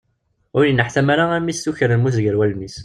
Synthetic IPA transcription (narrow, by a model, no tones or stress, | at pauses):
ʊɾjinːəħθæmaɾaæmisθuçəɾənmuzɡəɾwælmis